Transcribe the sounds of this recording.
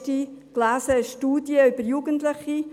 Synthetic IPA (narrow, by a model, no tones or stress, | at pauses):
tiklaːsəʃtuːdjəʏb̥əɾjuɡəntlɪχi